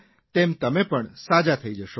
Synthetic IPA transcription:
t̪emt̪əmepəɳsad͡ʒat̪ʰəid͡ʒəʃo

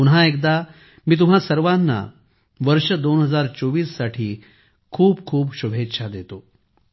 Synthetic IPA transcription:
unɦaek̚d̪a | miːt̪̬um̤asəɾʋanːa̰ | ʋəɾʂəd̪onɦəd͡zaɾt͡soʋiːsːaʈʰiː | kʰuːpkʰuːpɕubʱet̪ːɕʰad̪et̪o

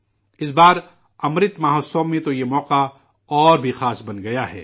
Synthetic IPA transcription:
ɪsbaːɾ | ɐmɾɪt̪maːɦosoːmːẽt̪ojemɔːqa | ɔːɾbʱixaːsbɐnɡɐjaɦɛ̰ː

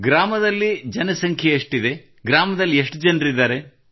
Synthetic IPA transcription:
ɡɾaːmɐd̪ɐlːid͡ʒɐnɐsɐŋkʰjɐeʂʈid̪e̞ | ɡɾaːmɐd̪ɐlːieʂʈd͡ʒɐnɾid̪aːɾe̞

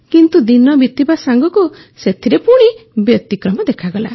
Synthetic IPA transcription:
kint̪ud̪inɔbit̪ibasaŋɡɔku | set̪ʰiɾepuɽ̃ibjɔt̪ikɾɔmɔd̪ekʰaɡɔla

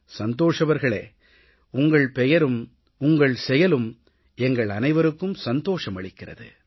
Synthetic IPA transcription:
sɐnd̪oːʂɐʋɐɾɣɐɭeː | ʊŋɡɐɭpɛjɐɾɯm | ʊŋɡɐɭsɛjɐlɯm | ɛŋɡɐɭɐnɐɪʋɐɾɯkːɯmsɐnd̪oːʂɐmɐɭɪkːɪrɐ̰ðɯ̰

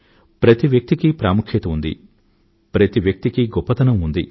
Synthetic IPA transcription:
pɾɐt̪iʋjɐk̚t̪ikipɾaːmukʰjɐt̪ɐund̪ḭ | pɾɐt̪iʋjɐk̚t̪ikiɡɔpːɐt̪ɐnɐmund̪ḭ

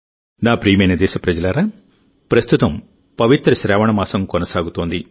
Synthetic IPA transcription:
naːpɾiːmɐnɐd̪ɛːʃɐpɾɐd͡ʒɐlaːɾaː | pɾɐst̪ut̪ɐm | pɐʋit̪ɾɐʃɾɛːʋɐɳɐmaːsɐmkonɐsaːɡut̪oːnd̪i

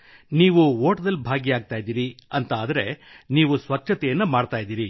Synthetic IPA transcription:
niːʋuʋoːʈɐd̪ɐlːbʱaːɡijaːɡ̚t̪aːjid̪iːɾiɐnt̪aːd̪ɐɾe̞niːʋusʋɐkʃʰɐt̪ɛjɐnːɐmaːɽt̪aːjd̪iːɾi

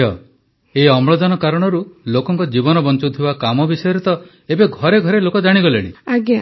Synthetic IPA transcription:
ɔ | eɔmɭɔd̪ɔnɔkaɾɔɽ̃ɔɾulokɔŋkɔd͡ʒibɔnɔbɔnt͡ʃɔt̪ʰibakamɔbisɔjɔɾit̪ɔ | ebeɡʱɔɾeɡʱɔɾelokɔd͡ʒaɽ̃iɡɔlḛɽ̃iaɡja

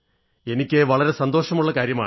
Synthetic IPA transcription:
e̞nikʲːeʋɐɭɐɾe̞sɐnd̪o̞ːʂɐmuɭːɐkaːɾjɐma̰ːɳ

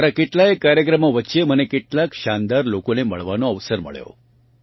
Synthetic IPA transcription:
ɾakeʈlaekːaɾjəkɾəmoʋətːʃem̤ənekeʈlakʃand̪aɾlokonemə̰ɭʋanoəʋsəɾmə̰ɭjo̰

